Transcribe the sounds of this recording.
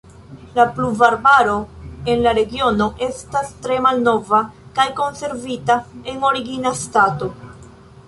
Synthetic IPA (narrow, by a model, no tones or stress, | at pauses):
lapluvaɾbaɾo̞e̞nlaɾe̞ɡio̞no̞ʔe̞stastɾe̞malno̞vakajko̞nse̞ɾvitae̞ŋo̞ɾiɡinastato̞